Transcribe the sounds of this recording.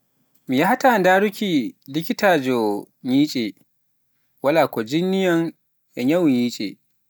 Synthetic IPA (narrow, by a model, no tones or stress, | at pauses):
mijahatandaːɽukʲilɪkʲitaːd͡ʒɔ | ɲiːt͡ʃʼe | walaːkɔd͡ʒinːɪjɐŋ | ʔɛɲawɲiːt͡ʃʼḛ